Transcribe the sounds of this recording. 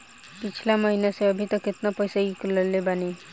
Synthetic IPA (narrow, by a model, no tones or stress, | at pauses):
pɪt͡ʃʰlaməɦinaseəbʱit̪əkɪt̪napəjsaikləlːebane